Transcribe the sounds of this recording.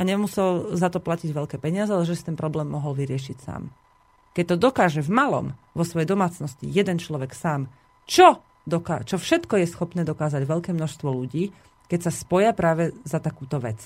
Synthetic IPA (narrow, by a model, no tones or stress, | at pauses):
ʔaɲɛmusɛlzat̪ɔplaciɟʋɛʎkɛːpɛɲɪazɛalɛʒɛsi̥t̪ɛnpɾɔblɛːmːɔɦɔlʋiɾɪɛʃicsa̰ːm | kɛc̚t̪ɔd̪ɔkaːʒɛvmalɔ̰mʋɔsʋɔjɛjd̪ɔmaːt͡snɔscḭjɛd̪ɛnt͡ʃlɔʋɛksaːm | t͡ʃɔ | d̪ɔka̰ːt͡ʃɔfʃɛt̪kɔjɛsxɔpnɛːd̪ɔkaːzaɟʋɛʎkɛːmnɔʃst̪ʋɔluɟiː | kɛcsaspɔjapɾaːʋɛzat̪akuːt̪ɔʋɛ̰t͡s